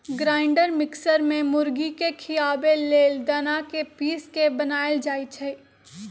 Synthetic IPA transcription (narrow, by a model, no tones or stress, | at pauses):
ɡɾaːɪɳɖəɾmɪksəɾmẽmʊɾɡikekʰɪjaːbelːeːld̪ənakepiːskebɐnaːjəld͡ʒaːit͡ʃʰɛ